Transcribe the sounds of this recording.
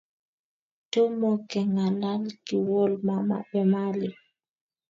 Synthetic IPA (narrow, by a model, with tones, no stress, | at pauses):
to˦mɔ˨kɛ˨ŋa˨la˦lki˨wɔ˦lma˨ma̰˨ɓɛ˨ma˦li˨